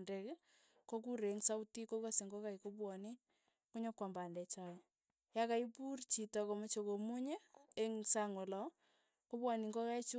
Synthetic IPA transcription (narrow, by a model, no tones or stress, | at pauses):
ndɛk | kok̬uɾeŋsautikokoseŋɡɔkajkobwɔni | kuɲokwambandɛt͡ʃaj | jakaipurt͡ʃitɔkomɔt͡ʃokomuɲeeŋsaŋwɔlɔ | kobwɔniŋɡɔkait͡ʃu